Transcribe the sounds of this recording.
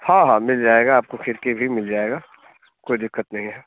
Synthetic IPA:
hãːɦãːmɪld͡ʒaːeːɡaːp̚koxɪɾkebʱimɪld͡ʒaːeːɡaː | koːid̪ɪkːət̪nɐɦĩɦɛː

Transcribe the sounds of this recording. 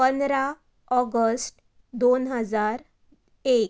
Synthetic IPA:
pənɾa | ɔɡəsʈ | d̪onɦəd͡zaɾ | ek

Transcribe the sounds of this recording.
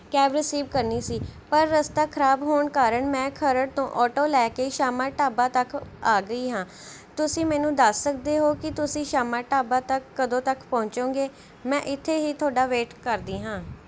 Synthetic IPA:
kɛːbɾɪsiːʋkəɾniːsiːpəɾːəst̪aːkʰəɾaːbɦoːɳkaːɾəɳmɛ̃ːkʰəɾəɽt̪õːʔɔːʈoːlɛːkeːʃaːmãːʈaːbãːt̪əkaːɡəiːɦãː | t̪ʊsĩːmɛ̃ːnũːd̪əsːək̚d̪eːɦoːkɪt̪ʊsĩːʃaːmaːʈaːbãːt̪əkːəd̪õːt̪əkpɔ̃ːɲt͡ʃõːɡeː | mɛ̃ːʔɪt̪ʰːeːɦiːt̪ʰʊaːɖaːʋeːʈkəɾd̪iːɦãː

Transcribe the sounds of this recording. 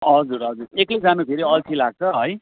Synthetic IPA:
ɦʌd͡zuɾɦʌd͡zuɾekʌjd͡zanopʰeɾiʌlt͡sʰilaɡ̚t͡sʰʌɦʌj

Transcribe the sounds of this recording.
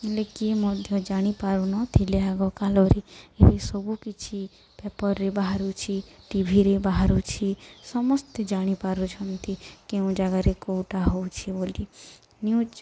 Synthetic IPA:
elekimɔd̪ʱjɔd͡ʒaɽ̃ipaɾunɔt̪ʰileaɡɔkalɔɾeeɾesɔbukit͡ʃʰi | pepɔɾːebaɦaɾut͡ʃʰi | ʈibʱiɾebaɦaɾut͡ʃʰisɔmɔst̪ed͡ʒaɽ̃ipaɾut͡ʃʰɔnt̪ʰikeũd͡ʒaɡaɾekowʈaɦowt͡ʃʰiboli | niut͡ʃ

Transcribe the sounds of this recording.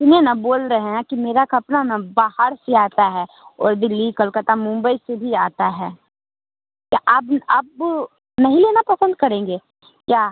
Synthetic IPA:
t̪ɪnenaboːlɾɐɦeɦɛ̃kimeːɾakɐpnanabaːhəɾseaːt̪aɦɛ | ɔːɾd̪ɪlːikɐlkət̪amʊ̃mbəisebʱiaːt̪aɦɛː | kaʔabɐb | nɐɦĩleːnapɐsənd̪̚kɐɾẽːŋɡeː | kjaː

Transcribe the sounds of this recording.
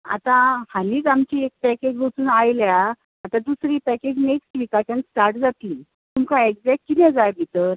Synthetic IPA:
a̰t̪ãhaniːd͡zamt͡ɕiːek̚pɛked͡ʑɦot̪uːnajlja | at̪ãd̪usɾiːpɛked͡ʑneksʈʋikat͡ɕansʈaɾʈd͡zat̪liː | t̪umkãeɡd͡zɛkʈ̚kit̪ɛ̃d͡zajbʱit̪əɾ

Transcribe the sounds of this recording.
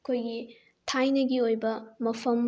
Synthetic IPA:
ɐkʰojɡi | tʰajnɐɡiojbɐmɐpʰɐm

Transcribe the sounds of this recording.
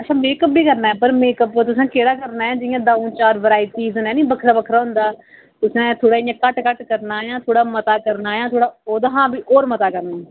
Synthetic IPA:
ət͡ʃʰãːmeːkəp̚biːkəɾnaːɛːpəɾmeːkəpːt̪ʊsãːkeːɽaːkəɾnaːãːd͡ʒɪjãːd̪aːũːt͡ʃaːɾʋəɾaːiːt̪iːzənɛːnĩːbəkʰɾaːbəkʰɾaːɦʊ̃nd̪aː | t̪ʊsɛ̃ːt̪ʰoːɽaːɪjãːkəʈkəʈkəɾnaːjãːt̪ʰoːɽaːmət̪aːkəɾnaːjãːt̪ʰoːɽaːoːd̪ɦãːbiːʔoːɾmət̪aːkəɾnaːɛ

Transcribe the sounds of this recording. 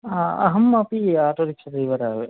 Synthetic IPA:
aɐ̰ɦɐmːɐpiaːʈoːɾikʂɐd̪ɐjʋɐɾaːʋe

